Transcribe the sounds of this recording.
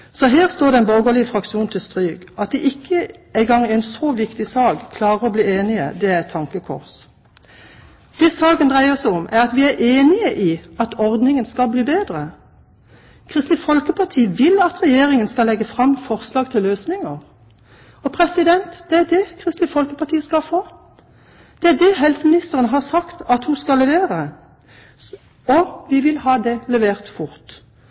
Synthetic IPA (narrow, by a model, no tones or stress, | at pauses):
sɔɦeːʁst̪oːɾd̪ɛɛnboɡolɪəfʁɑkʃuːnt̪ʰɪlst̪ʁyːɡ̥ɑt̪̚d̪ɛʔɪkʰːəæɪɡɑŋːɪnsɔʋɪkt̪ɪsɑːɡkʰlɑːɾəʁɔbliːeːnɪə̰d̪ɛæɛt̪ʰːɑŋkəkʰɔ̰ʁs | d̪̥ɛsɑːɡənd̪ʁæɪəʁsɛɔmʔæʁɑt̪ʋiːæʁʔeːnɪəʔiːɑt̪ʰɔʁd̪nɪŋənskɑlbliːbeːd̪ʁə | kʰʁɪst̪ɪfɔlkəpʰɑʁt̪ʰiːəʋɪlɑt̪ʁɛjeːʁɪŋənskɑlɛɡəfʁɑmːfɔʁslɑːɡ̚t̪ʰɪlːøːsnɪŋəʁ | ɔpʰʁɛsɪd̪ɛnt̪d̪̥ɛæd̪ɛkʰʁɪst̪lɪfɔlkəpʰɑʁt̪ʰiːəskɑlfoː | d̪̥ɛæd̪ɛɦɛlsəmɪnɪst̪əʁənɦɑʁsɑkt̪ɑt̪huskɑlːɛʋeːʁə | ɔʋɪʋɪlhɑːd̪ɛlɛʋeːʁt̪fʊʁt̪